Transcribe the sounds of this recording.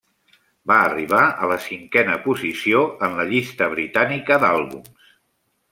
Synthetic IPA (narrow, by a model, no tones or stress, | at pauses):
baəriβ̞aələsiŋkɛnəpuzisioənləʎist̪əβ̞ɾit̪anikəd̪alˠβṵms